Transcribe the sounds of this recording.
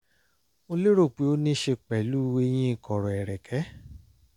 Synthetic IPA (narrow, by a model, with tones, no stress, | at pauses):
o˧le˦ɾo˦˨k͡pe˨˦o˦nĩ˦ʃe˧k͡pɛ˨lu˦˧we˧j̃ĩ˦i˦˧˨kɔ˨ɾɔ˨ɛ˨ɾɛ˨kʰɛ˨˦